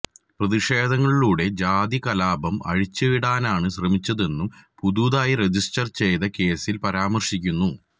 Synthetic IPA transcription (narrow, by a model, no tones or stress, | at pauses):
prɐðiʂe̞ːd̪ʱɐŋːɐɭiɭuːɽe̞d͡ʑaːd̪ikɐlaːbɐmɐ̰ɻit͡ɕːɨiɽaːnaːɳɨɕrɐmit͡ɕːɐðe̞nːumpud̪uːðaːjired͡ʑisʈɐrt͡ɕe̞jd̪ɐke̞ːsilpɐɾaːmɐrʂikʲːunːu